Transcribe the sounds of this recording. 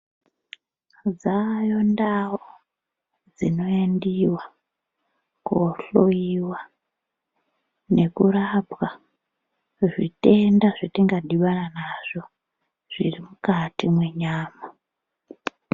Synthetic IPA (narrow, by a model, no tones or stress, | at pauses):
d͡zajo̞ndao | d͡zino̞endiwa | koɬoiwa | ne̞kurapwa | ʐite̞ndaʐitiŋɡadiɓananaʐ̥o̞ | ʐ̥irimukatimwe̞ɲaːma